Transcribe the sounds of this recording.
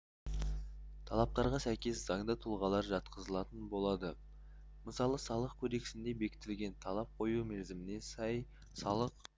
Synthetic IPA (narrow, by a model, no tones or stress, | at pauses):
t̪ʰɑlˠɑp̚t̪ɑɾʁɑsæjkʲe̞sz̥ɑŋd̪ət̪ʰʊlˠʁɑlˠɑɾʒɑt̪qəzəlˠɑt̪ənbo̞lˠɑd̪ə | məsɑlˠəsɑlˠəqkʲʰɵd̪e̞kʲɪ̥sɪnd̪e̞be̞kʲɪ̥t̪ɪlɡʲe̞nt̪ʰɑlˠɑp̚qʰo̞jumeɾzɪmɪne̞sɑj | sɑlˠəq